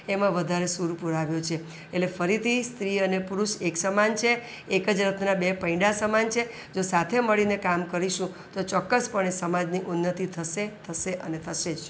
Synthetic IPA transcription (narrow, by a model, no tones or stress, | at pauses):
emãʋəd̪ʱaɾesuɾpuɾaʋjot͡ʃʰe | elefəɾit̪ʰist̪ɾiənepuɾuʃeksəmant͡ʃʰe | ekəd͡ʒɾət̪ʰnabepəĩɖasəmant͡ʃʰe | d͡ʒosat̪ʰeməɭinekamkəɾiʃũ | t̪ot͡ʃɔkːəspəɳesəmad͡ʒniʔunːət̪it̪ʰəʃet̪ʰəʃeʔənet̪ʰəʃed͡ʒ